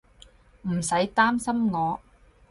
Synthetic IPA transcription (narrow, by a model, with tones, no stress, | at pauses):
m̩˨˩sɐ˨˥jt̪aː˥msɐ˥mŋɔː˨˧